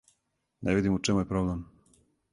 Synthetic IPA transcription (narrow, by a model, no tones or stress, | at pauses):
nɛvid̪imut͡ʂɛmujepɾoblɛm